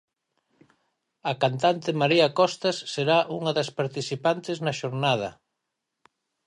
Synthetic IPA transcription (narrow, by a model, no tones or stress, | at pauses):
ɐkant̪ant̪ɪmaɾiɐkɔst̪asːeɾaʔuŋɐðɐspaɾt̪iθipant̪ɪznɐʃoɾnað̞ɐ̰